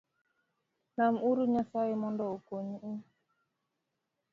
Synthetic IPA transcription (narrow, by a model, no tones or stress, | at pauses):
namuɾuɲasajimɔndɔukoɲiʔu